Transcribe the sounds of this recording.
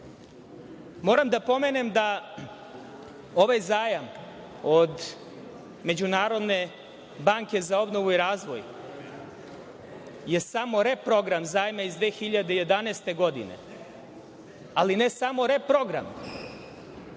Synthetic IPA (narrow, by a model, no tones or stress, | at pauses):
mo̞ːɾamd̪apo̞me̞nemd̪a | o̞ʋajzaːjam | o̞d̪ | me̞d͡ʑunaːɾo̞d̪ne̞ | baːŋke̞zao̞bnoʋuiɾaːzʋo̰j | je̞samo̞ɾe̞pɾo̞ɡɾamzaːjmaizd̪ʋeːxiʎad̪eje̞d̪anest̪e̞ɡo̞d̪ḭne̞̰ | alinesamo̞ɾepɾo̞ɡɾa̰m